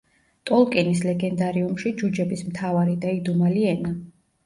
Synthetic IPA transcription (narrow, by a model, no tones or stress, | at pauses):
t̪ʼɔlˠkʼɛnislɛɡɛnd̪aɾiumʃid͡ʒud͡ʒɛbismt̪ʰavaɾid̪aid̪umaliɛna